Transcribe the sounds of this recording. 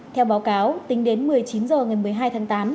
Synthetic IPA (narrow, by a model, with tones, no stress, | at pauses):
t̪ʰɛ˧wɓaː˨˦wkaː˨˦wt̪ï˨˦ŋ̟ɗe˨˦nmɨ˨˩əjt͡ɕi˨˦nzəː˨˩ŋa˨˩jmɨ˨˩əjɦaː˧jt̪ʰaː˨˦ŋt̪aː˨˦m